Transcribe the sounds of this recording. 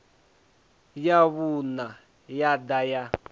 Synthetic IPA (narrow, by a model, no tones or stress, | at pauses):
jaβuna | jadaja